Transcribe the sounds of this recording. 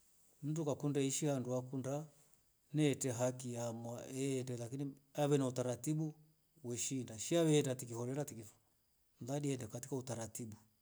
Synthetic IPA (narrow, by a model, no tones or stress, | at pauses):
m̩dukakundaiʃianduakunda | nɛtɛɦakiamwaɛːndɛlakiniaβɛnautaɾatiɓu | wɛʃindaʃiawɛːndatikihɔɾɛɾatikif | nðaɗiɛndɛkatikautaɾatiɓu